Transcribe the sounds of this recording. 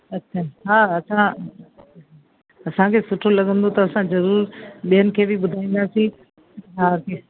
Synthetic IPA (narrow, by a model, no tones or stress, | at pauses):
ɐt͡ɕʰːanɦaːɐsã | ɐsãkʰeːsʊʈʰolɐɠə̃nd̪ot̪ɐɐsãzɐɾuːɾɓiɦənɪ̆kʰeːbʱɪɓʊd̪ʱaːĩːnd̪aːsĩ | ɦaːkʰeː